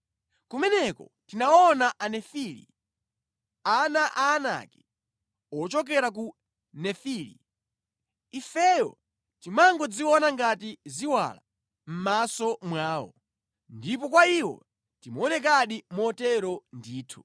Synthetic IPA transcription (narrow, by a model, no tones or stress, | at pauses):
kumɛnɛkɔtinaɔnaʔanɛfilḭ | anaʔaːna̰kɛ̥ | ɔt͡ʃɔk̬ɛɾak̬u | nɛfilḭ | ifɛjɔ̰ | timaŋɡɔd͡ziwɔnaŋɡatiziwa̰la̰ | m̩masɔmwaːwɔ̰ | ndip̬ɔkwaiwɔ̰ | timɔnɛk̬aɗimɔtɛɾɔndiːtʰu̥